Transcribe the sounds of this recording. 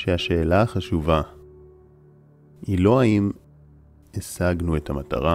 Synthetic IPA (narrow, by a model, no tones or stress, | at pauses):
ʃeaʃe̞ːlaaχaʃuva | ilo̞aim | esaɡnuethamata̰ʁa